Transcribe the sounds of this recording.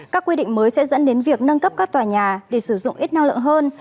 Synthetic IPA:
kaː˦˥kːwi˧ɗḭ̈˧˨ŋ̟məː˨˦jsɛ̰˧˥zə̰˧˥nɗe˨˦nvi˨˩ək̚nə˧nkə˦˥p̚kaː˦˥kt̪waː˨˩ɲaː˨˩ɗe˧˩sɨ˧˩zʊ̰˧˨ŋ͡mʔi˦˥t̚na˧ŋlɨ̰˧˨ə˨ŋɦəː˧n

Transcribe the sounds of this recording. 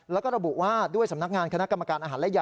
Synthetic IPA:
lɛː˦˥wkɔː˥˩ɾa˧bu˨˩ʔwaː˥˩du˥˩əjsa˩˦mna˦˥k̚ŋaː˧nkʰna˦˥ka˧mːa˧kaː˧nʔaː˧ɦaː˩˦lɛ˦˥˩ja˨˩

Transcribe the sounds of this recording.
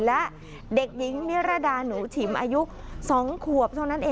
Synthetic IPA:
lɛ˦˥ʔ | de˨˩k̚ji˩˦ŋmi˦˥ɾa˧˩daː˧nuː˩˦t̪ʰi˨˩˦mʔa̰ː˧ju˦˥ʔsɔː˩˦ŋkʰu˨˩əp̚t̪ʰːna˦˥nʔeː˧

